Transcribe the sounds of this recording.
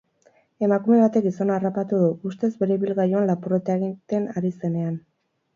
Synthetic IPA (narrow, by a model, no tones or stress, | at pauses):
e̞makume̞βat̪e̞k̚ɡiso̞naːrapat̪uðuust̪e̞zbe̞ɾe̞βilɣajuanlapuret̪aɣit̪e̞naɾise̞ne̞an